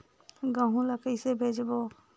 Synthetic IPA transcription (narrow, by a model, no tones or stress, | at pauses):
ɡəɦũləkəisebʱeːd͡ʒbo